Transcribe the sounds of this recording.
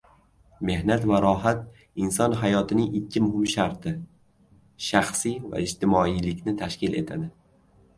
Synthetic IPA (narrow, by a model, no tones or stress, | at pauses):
me̞hnat̪vaɾɒɦat̪̚ | ɪnsɒnɦajɒt̪ʰɪnɪŋɪkʲʰːɪmʊhɪmʃaɾt̪ʰɪ | ʃaχsijva̰ɪd͡ʒt̪ʰɪmɒijlɪkʲnɪt̪ʰaʃkʲɪle̞̰t̪ʰa̰d̪ɪ